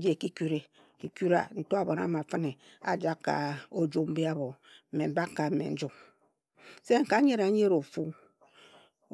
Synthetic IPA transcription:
d͡ʒe˦˨ki˦ku˦ɾe˨ | ki˨ku˦ɾa̰˨n̩˨to˦a˨bo˨na̰˦ma˨fɨ˦ne˨ | a̰˨d͡ʒa˦kːa̰˨o˦d͡ʒo˦m̩˦bi˦a˦βo˨ | m̩˨me˨m̩˨˦ba˦kːa˨m̩˦mḛ˨n̩˦d͡ʒu˦k | se˦ŋ̩˨ka˦ɲe˦ɾa˨˦ɲe˦ɾo˨fu˦

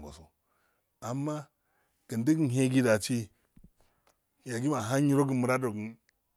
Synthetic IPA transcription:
ɡo̰˨so˨ | a˨mːa˦ | ɡ̥i˨ndi˦ɡi˦n˨ɦe˦ɡi˦da˨t͡ʃi˦ | ja˨ɡi˦ma˨ɦa˦ɲi˦ɾo˦ɡə˨mu˨ɾa˦do˨ɡi˨˦

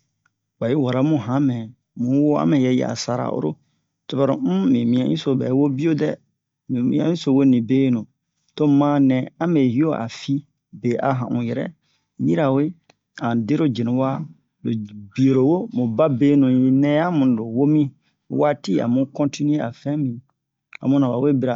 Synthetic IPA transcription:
ɡ͡ba˨ji˦wɔ˨ɾa˨˦mũ˦ɦã˨˦mɛ̃˨ | mũ˨˦wo˦a̰˦mɛ̃˨jɛ˦jɛ̰˨a̰˨sa˨ɾa̰˨ʔo̰˦ɾo̰˦ | tu˨ba˨ɾo̰˨m̩˦mĩ˨mĩ˦ã˦ḭ̃˦so˨bɛ̰˨˦wo˦bi˦o˦dɛ˦˨ | mĩ˨mḭ̃˦ã̰˦ĩ˦so˨wo˦nĩ˨beː˦nũ˨ | to˦mã˦nɛ̃˨ã˦mɛ˨hi˦o˦ʔa̰˨fi˦ | be˨ʔa˨ɦã̰˨ʔũ˨jɛ˨ɾɛ̰˦ | ji˦ɾa˨we˦ | ã˨de˦ɾo˦d͡ʒe˨nũ˨wa˦ | lo˨bi˨o˨ɾo˨wo˦mũ˨ba˦beː˦nũ˨˦nɛ̃˦ja˦mũ˨n˨do˨wo˦mĩ˦ | waː˦ti˦a̰˨mũ˦kɔ̃˦nti˦nũ˦e˦a˨fɛ̃˦mĩ˨ | a̰˨mũ˦nã˨ba˨we˦bi˦ɾa˨

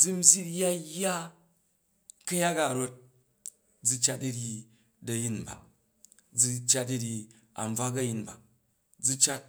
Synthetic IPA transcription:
d͡zu˦m̩˦zʲi˦ja˦jːa˦ | kɐ˦ja˦ka˨ɾo˦t̚ | d͡zu˧t͡ʃa˦tɐ˧ɾi˧ | dɐ˨ji˦nba̰˨ | d͡zi˧t͡ʃa˦t̚dɐ˧ɾʲi˧ | a̰˨m˨b͡va˦kɐ˦ji˨nba̰˨ | d͡zu˦˧t͡ʃa˦t̚

